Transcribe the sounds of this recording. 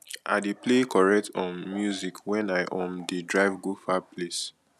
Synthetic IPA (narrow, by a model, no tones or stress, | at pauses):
a̰deplekɔɹɛk̚tʰɔ̃nmjuzikwɛ̃naɪʔɔ̃ndidɹaɪvɡufapʰles